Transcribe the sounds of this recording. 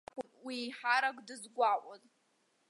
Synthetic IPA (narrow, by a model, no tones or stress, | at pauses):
wiħaɾakʷʼdɨzɡʷaʔʷʼʊz